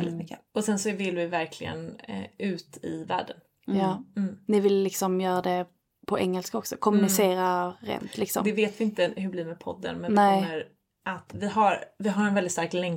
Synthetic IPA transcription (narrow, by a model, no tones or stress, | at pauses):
ɛlːɪt̪mʏkːəɔsɛnsɔvɪlvɪvæɾkʰlɪɡə̰nʉ̟ːt̪ʰɪ̰væ̰ːɖən | jɑːnɪvɪlːɪksɔmjœːɾad̪ɛ | pʰɔʔɛŋːɛlskaɔksɔkʰɔmɵnɪseːɾaɾḛːnt̪ʰlɪksɔ̰md̪ɛveːt̪vɪɪnt̪əɦɵbliːɾmɛːpʰɔ̰d̪ːə̰nmɛnnɛjəɾ | ʔat̪vɪɦaɾvɪɦaɾɛnvɛldɪt̪st̪aɾklɛŋ